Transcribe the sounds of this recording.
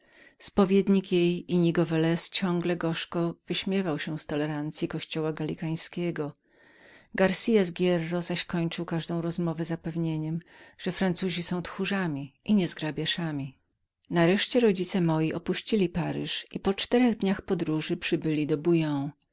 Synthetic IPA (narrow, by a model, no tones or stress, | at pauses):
spɔvʲjed̪ɲikjejiɲiɡɔvɛlɛst͡ɕɔ̃ŋɡlɛɡɔʂkɔvɘɕmʲjɛvawɕɛst̪ɔlɛɾant̪sʲjikɔɕt͡ɕɔwaɡalʲikaj̃skʲɛɡɔ | ɡaɾsʲijazɡʲjɛrːɔzaɕkɔɲt͡ʂɨwkaʐd̪ɔ̃w̃ɾɔzmɔvɛzapɛvɲeɲɛmʐ̥ɛfɾant̪suʑisɔ̃w̃t̪xuʐamʲiʔiɲɛzɡɾabʲjaʂamʲi | naɾɛʂt͡ɕɛɾɔd͡ʑit̪sɛmɔjiʔɔpuɕt͡ɕilʲipaɾɘʂipɔt͡ʂt̪ɛɾɛɣd̪ɲaxpɔd̪ɾuʐɘpʂɘbɘlʲid̪ɔbujɔ̃w̃